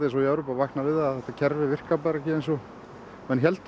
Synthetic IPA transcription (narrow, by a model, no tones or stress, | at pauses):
ɪsɔiɛvɾɔpavahknavɪðaaθɛht̪ːacʰɛɾvɪvɪr̥kapaɾɛhcɪejnsɔ | ɛnçɛlt̪